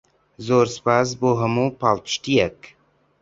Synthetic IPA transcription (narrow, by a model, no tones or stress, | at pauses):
zoːɾspaz̬boɦɐmupalt̪ʃʈ̪ijak